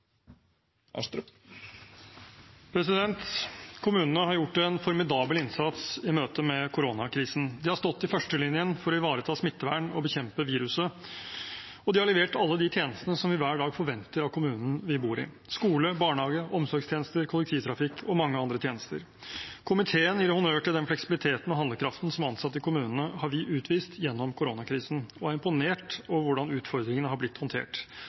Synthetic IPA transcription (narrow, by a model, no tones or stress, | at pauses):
pʰɾɛs̬ɪd̪ɛnt̪kʰʊmʉːnənəhɑɾjʊʈːɛnfɔɾmɪd̪ɑːbəlɪnsɑt̪sɪmøːt̪əmɛkʰʊɾonɑkʰɾiːsn̩d̪ɪhɑɾst̪ɔt̪ːɪfœʂʈəlɪnjənfɔɾɔɪʋɑːɾət̪ʰɑːsmɪt̪ːəʋæːɳɔbəçɛmpəʋiːɾʉsə | ɔd̪ɪhɑɭɛʋeːʈɑlːəd̪ɪt̪ʰjeːnəst̪ənəsɔmʋɪʋæːɖɑːɡfɔɾʋɛnt̪əɾɑtkʰʊmʉːnn̩ʋɪbuːɾɪ̰ | skuːləbɑːɳhɑːɡəʔɔmsɔɾɡst̪ʰeːnəst̪əɾkʰʊlɛk̚t̪ʰiːʋt̪ʰɾɑfɪkʰɔmɑŋːəɑnd̪ɾət̪ʰjeːnəst̪ə̰ɾ | kʰʊmɪt̪ʰeːənjiːɾhʊnøːʈʰɪld̪ɛnflɛksɪbɪlɪt̪ʰeːt̪n̩ɔɦɑnd̪əkʰɾɑft̪n̩sɔmɑnsɑt̪ːɪkʰʊmʉːnən̩əhɑɾʋɪʔʉːt̪ʰʋiːst̪jɛnːɔmkʰʊɾonɑkʰɾiːsən̩ɔæɾɪmpʊneːʈɔʋʊɖɑnʉːt̪fɔɾd̪ɾɪŋənəɦɑblɪt̪ːhɔnt̪ʰḛːʈ